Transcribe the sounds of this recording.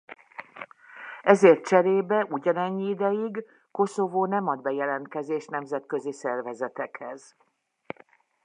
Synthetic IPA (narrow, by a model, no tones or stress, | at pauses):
ɛzeːrt̪̚t͡ʃɛɾeːbɛʔuɟɒnɛɲːiid̪ɛjiɡ | ko̞sovoːnɛmɒd̪̚bɛjɛlɛnt̪̚kɛzeːʃnɛmzɛt̪kø̞zisɛrvɛzɛt̪ɛkhɛz̥